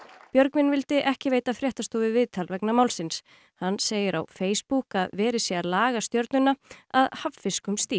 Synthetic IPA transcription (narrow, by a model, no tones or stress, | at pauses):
pjœɾkvɪnvɪlt̪ɪʔɛhcɪveːjt̪afɾjɛht̪ast̪oːvɪvɪðt̪ʰalvɛknamaːwlsɪns | hanːseːjɪɾa̰wfeːjspukaðvɛːɾɪsjɛalaːɣast̪jœɾt̪nʏnːaaðhavfɪskʏmst̪iː